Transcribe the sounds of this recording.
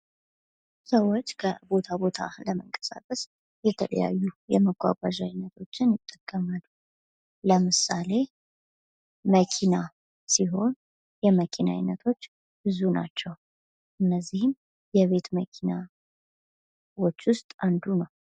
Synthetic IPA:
səwo̞t͡ʃːkʰə̰bo̞t̪ʰabo̞t̪ʰa̰ləməŋkʼə̥sa̰kʼəs | jɛt̪ʰələ̰ja̰jːujɛməɡʷʼa̰ɡʷwaʒajnːət̪ʰo̞t͡ʃːɪnjɪt̪ʼːəkʼːəmalːu | ləmɨsale̞ | məkʰina | siɦo̞n | jɛməkʰina̰jnːət̪ʰo̞t͡ʃː | bɨzuna̰t͡ʃːɛw | ʔɨnːəzːihɪm | jɛβe̞t̪məkʰina | wo̞t͡ʃːwʊst̪ʼand̪unəw

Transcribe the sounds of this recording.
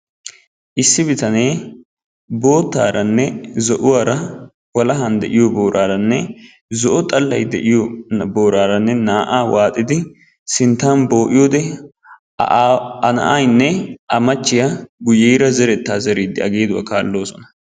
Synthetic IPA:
ʔɪsːɪbɪt̪ɐne̞ː | bo̞ːt̪ːa̰ːɾɐnːɛzɔʔʊwaːɾɐ | wɐlɐɦɐnd̪ɛ̰ʔɪjɔboːɾʔaːɾɐnːɛ | zɔʔɔt̪ʼɐlːɐjd̪ɛ̰ʔɪjɔbo̞ːɾaːɾɐnːɛnaːʔaːwaːt̪ʼːɪd̪ɪ | sɪnt̪ːaːnbo̞ːʔɪjoːd̪ɛ | ɐnɐ̰ʔajnːɛʔɐmɐt͡ʃːɪjɐɡʊjeːɾɐzɛɾɛt̪ːaːzɛɾiːd̪ːɪɐɡe̞ːd̪ʊwa̰ːkaːlːo̞ːsɔnɐ̥

